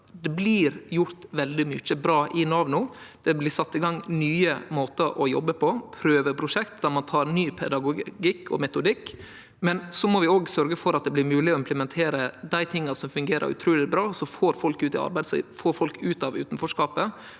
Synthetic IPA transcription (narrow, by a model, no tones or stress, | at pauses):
d̪ɛblɪɾjʊɾt̪ʋɛld̪ɪmʏt͡ʃːəbɾɑːʔɪnɑʋnʊd̪̥ɛblɪsɑt̪ːɪɡɑŋnyːəmoːt̪əɾʔɔjɔ̰bːəpʰɔpʰɾøːʋəɾpʰɾʊʂɛkt̪d̪æɾmɑnt̪ʰɑːɾnyːpʰɛd̪ɑɡʊɡɪkːʰɔ̰mɛt̪ʊd̪ɪkː | mɛnsɔmɔʋɪoːɡsœɾɡəfɔɾɑt̪̚d̪ɛblɪɾmʉːlɪɔɪmpʰləmɛnt̪ʰeːɾəd̪æɪt̪ʰɪŋːɑsɔmfʉŋɡeːɾʔə̰ɾʉ̰t̪ʰɾuːlɪbɾɑːsɔfoːɾfɔlkʉːt̪ɪ̰ɑ̰ɾbæɪd̪sɔ̰foːɾfɔlkʉːt̪ɑʋʉ̰ːt̪n̩fɔʂkɑːpə